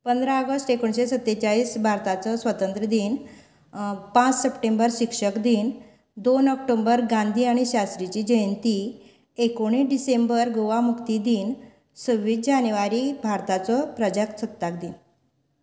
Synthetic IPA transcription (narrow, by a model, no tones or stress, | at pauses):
pənd̪ɾaəɡəsʈekoɳɕesət̪ːet͡ɕaɭiːsbʱaɾt̪at͡sɔsʋət̪ənt̪ɾəd̪iːn | pãt͡ssəpʈembəɾɕikʂəkd̪iːn | d̪onɔkʈombəɾɡãnd̪ʱiːaɽ̃iɕast̪ɾit͡ɕiːd͡ʑəjənt̪i | ekoɽ̃iɖisembəɾɡoʋamukt̪id̪iːn | səʋid͡ʑanjʋaɾibʱaɾt̪at͡sɔpɾəd͡ʑəksʰət̪ːakd̪iːn